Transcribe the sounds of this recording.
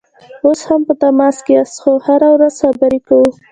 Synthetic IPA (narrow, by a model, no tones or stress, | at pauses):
oshampət̪amɑskeast̪xohaɾawɾaz̥xabəɾekawu